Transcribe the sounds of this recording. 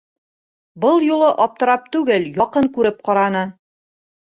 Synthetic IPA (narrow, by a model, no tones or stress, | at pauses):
bɤlˠjulˠɤʔɒp̚t̪ɤ̆ɾɑp̚t̪ʉɡɘljɒqɤŋkʉɾɘp̚qɑɾɑnɤ